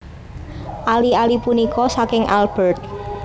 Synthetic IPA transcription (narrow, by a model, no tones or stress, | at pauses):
ʔalialipunikɔsakɪŋʔa̰lb̥ərt̪̚